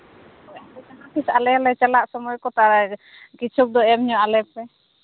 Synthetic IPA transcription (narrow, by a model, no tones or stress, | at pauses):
ɔɛbɛk̪anakisalɛlɛt͡ʃalaʔsɔmɔjkɔt̪aɾɛ | kit͡ʃʰuk̚d̪ɔɛmɲɔʔalɛpɛ